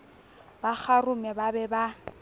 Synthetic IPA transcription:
bak͡xʰarʊmɛbabɛba

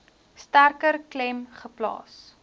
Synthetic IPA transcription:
stærkərklɛmχəplɑ̰ːs

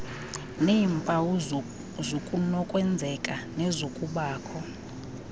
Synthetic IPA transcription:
neiɱpʼawu | zokʼunɔkʼwɛnd͡zʱɛkʼanɛzokʼuɓaːkʰɔ

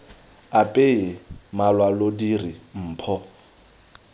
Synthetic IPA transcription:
apʼemalwalodirim̩ːpʰɔ

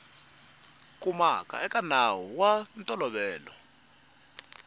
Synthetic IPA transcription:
kʼumakʼa̰ɛkʼanawuwantʼɔlɔɓɛːlɔ

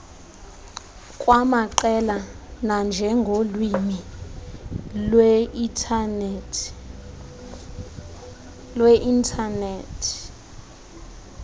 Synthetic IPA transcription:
kʼwamaǃɛla | nand͡ʒʱɛŋɡʱolwimi | lwɛtʰn | lweʔintʰaneːtʰ

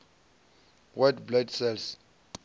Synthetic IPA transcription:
wadblɛdsɛls

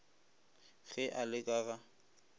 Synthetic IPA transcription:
ɣɛʔalɪkʼaːɣa

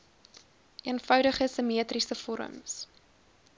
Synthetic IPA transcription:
ʔiənfœwdəχəsəmiətrisəfɔɾə̰ms

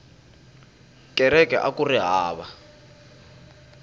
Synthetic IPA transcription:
kʼɛɾɛkʼɛʔakuriɦaːβa

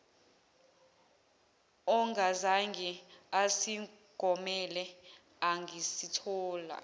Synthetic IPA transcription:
ɔŋʱazaŋɡʱiasi | ɡ̥ʱɔmɛlɛ | aŋɡʱisitʰɔːla̰

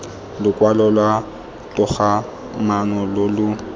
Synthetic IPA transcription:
lʊkʼwalɔlwa | tʊχa | manɔlolʊ

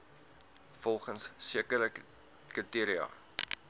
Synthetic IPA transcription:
fɔlˠχənsːiəkəɾə | kətiəɾiɐ̰

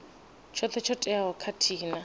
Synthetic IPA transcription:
t͡ʃʰɔt͡ɬʰɛt͡ʃʰɔtʼɛaɔkʰatʰiːna

